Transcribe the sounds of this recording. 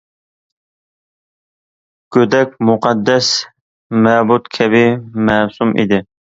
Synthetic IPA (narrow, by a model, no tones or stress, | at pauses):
kʲød̪ɛk̚ʲmʊqɑd̪ːɛs | mɛbut̪kʲʰɛbɪmɛsumʔḭd̪ɪ